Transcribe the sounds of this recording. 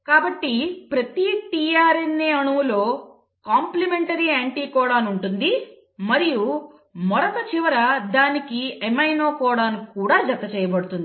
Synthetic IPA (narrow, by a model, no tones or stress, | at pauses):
kaːbɐʈːipɾɐt̪it̪iːjaːɾinːeːɐɳuʋulo̞ː | kaːmplimeɳʈɐɾiaːɳʈiːkɔːɽaːnuɳʈund̪i | mɐɾiju | mɔɾɐt̪ɐt͡ʃiʋɐɾɐd̪aːnikiemɐjno̞ːkɔːɽaːnkːuːɽaːd͡ʒɐt̪ːɐt͡ʃɛːjɐbɐɽut̪und̪ii